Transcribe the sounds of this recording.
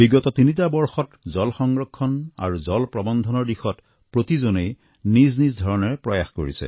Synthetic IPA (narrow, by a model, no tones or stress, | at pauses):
biɡɔtɔtinitabɔɹxɔtzɔlxɔŋɹɔkʰːɔna̰ɹuzɔlpɹɔbɔnd̪ʱɔnɔɹdixɔt | pɹotizonej | niznizdʱɔɹɔnɔɹɛpɹɔjaxko̰ɹisɛ̰